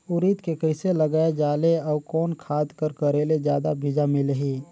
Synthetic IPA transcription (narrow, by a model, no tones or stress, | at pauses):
ʊɾiːt̪kekəseləɡaːed͡ʒaːleɔːɾkɔːnkʰaːd̪kəɾkəɾeːled͡ʒjaːd̪abʱid͡ʒameləɦiː